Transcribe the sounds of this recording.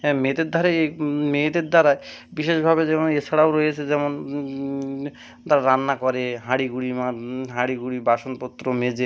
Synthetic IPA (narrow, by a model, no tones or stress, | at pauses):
ɛmet̪eɾd̪ʱaɾaemet̪eɾd̪aɾaebiʃeʃbʱabed͡ʑɛmonesʰaɽaoɾojet͡ɕʰed͡ʑɛmon | t̪aɾaɾanːakɔɾeɦaɽiɡuɽimaɦaɽiɡuɽibaʃonpot̪ːɾomed͡ʑe